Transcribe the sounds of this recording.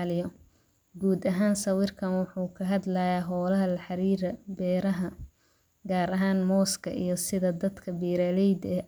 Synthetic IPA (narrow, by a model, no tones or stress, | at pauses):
lɪjɔ | ɡuːd̪ɐɦaːnsɐwɪrkʰɐnwʊħuːkʰɐɦɐd̪lɐjaːɦɔːlɐɦɐlɐħɑɾiːɾɐbɛːɾɐɦɐ | ɡaːɾɐɦaːnmɔːskʰɐ̰ʔḭjɞsɪðɐd̪ɐd̪kʰɐbiːɾɐlɛjd̪ɛː